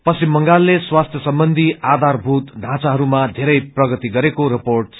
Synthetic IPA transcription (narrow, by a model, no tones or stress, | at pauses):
pʌsimːʌŋɡalːeswast̪ʰjʌsʌmbʌnd̪ʱiad̪ʱarbʱut̪ɖʱãt͡saɦʌɾumad̪ʱeɾʌjprʌɡʌt̪iɡʌɾekoɾiporʈ